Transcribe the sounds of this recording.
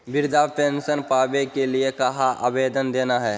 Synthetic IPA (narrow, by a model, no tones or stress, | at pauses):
bɪɾd̪ʱapẽnsənpaːbekeliekaɦaʔa̰beːd̪ənd̪eːnaɦɛː